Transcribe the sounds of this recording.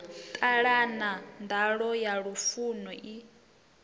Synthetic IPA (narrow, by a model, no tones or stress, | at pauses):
t̪ʼaɺanandaɺɔjaɺufunɔʔi